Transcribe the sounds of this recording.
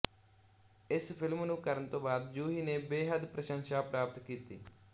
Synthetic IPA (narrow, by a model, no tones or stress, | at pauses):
ɪspʰɪlmnũːkəɾənt̪õːbaːd̪d͡ʒuːɦiːneːbeːɦəd̪pɾəʃənʃaːpɾaːpət̪kiːt̪iː